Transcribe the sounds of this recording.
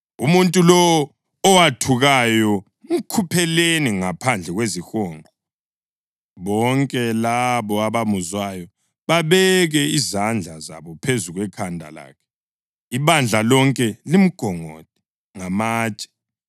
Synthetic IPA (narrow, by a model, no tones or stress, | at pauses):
umuntʼulɔː | watʰuɣajɔ | m̩kʰupʰɛleniŋapʰand͡ɮʱɛɣwezixoːŋʱɔ | βɔŋkʼɛlaβɔaβamuzwajɔ | βaβɛɣɛizand͡ɮʱaza̰βɔpʰezuɣwɛkʰandʱa̰la̰ːkʰɛ̥ | iβand͡ɮʱalɔŋkʼɛlim̩ɡ̥ʱɔŋo̰t̚ʰʼi̥ | ŋamaːt͡ʃʼɛ̥